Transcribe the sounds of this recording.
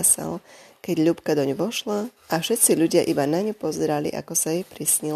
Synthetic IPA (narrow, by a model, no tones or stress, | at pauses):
sa̰lkɛɟʎupkad̪ɔɲuʋɔʃlaʔafʃɛt̪t͡siʎuɟɪaʔibanaɲupɔzɛɾalḭʔa̰kɔsajɛpɾisɲil